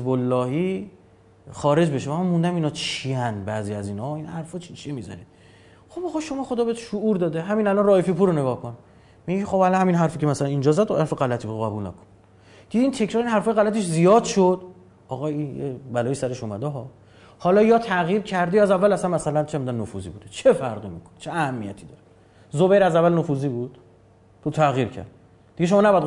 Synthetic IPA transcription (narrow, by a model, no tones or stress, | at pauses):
zbolːɒːhiː | χɒːɾe̞d͡ʒbe̞ʃeæmænmund̪æmiːnɒːt͡ʃʰiænbæziːæziːnhɒinhæɾfɒt͡ʃʰit͡ʃʰiemizɒ̰ɾḭd̪ | xobɒːɣɒːʃomɒːχod̪ɒbeet̪ʃouːɾd̪ɒːd̪eɦæmiːnælɒnrɒːjefipuːɾoneɡɒːhkʰon | miɟecʰexobælɒhæminɦæɾfiːcʰemæsælænind͡ʒɒzæd̪hæɾfeɣælæt̪ʰiːboɣæbulnæ̰kʰo̥n | d̪̥id̪iːnt̪ʰe̞cʰɾɒːɾinɦæɾfɒːjeɣælæt̪ʰeʃzijɒːd̪ʃod̪̥ | ɒːɣɒijḛbælɒːjiːsæɾe̞ʃumæ̰d̪eɦɒː | hɒːlɒːjɒːt̪ʰæɣjiːɾcʰæɾd̪ejæzævːælæsænmæsælænt͡ʃʰemid̪ænːofṵzḭːbud̪̥et͡ʃʰefæɾɣimikʰont͡ʃʰeæhæmːijæt̪ʰiːd̪ɒːɾe | zobejɾæzævːælnofuːziːbud̪̥ | but̪ʰæɣiːɾcʰæ̰ɾd̪̥̚ | d̪iɡeʃo̞mɒːnæbɒjæd̪